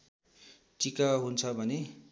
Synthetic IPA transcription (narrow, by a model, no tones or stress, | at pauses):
t͡sikaɦunt͡sʰʌbʱʌne